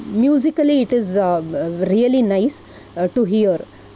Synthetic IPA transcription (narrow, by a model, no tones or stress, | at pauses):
mjuːzikəliːʈiz | ɾiəlinaɪs | ʈuɦiəɾ